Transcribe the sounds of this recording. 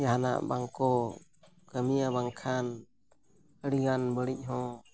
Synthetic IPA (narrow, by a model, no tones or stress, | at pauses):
jaɦana̰ʔbaŋkɔ | ɡəmijabaŋkʰan | əɽiɡanbəɽic̚ˀɦɔ̃